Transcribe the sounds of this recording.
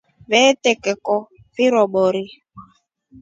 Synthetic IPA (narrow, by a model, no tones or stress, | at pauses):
βɛtɛkɛkɔ | viɾɔɓɔɾi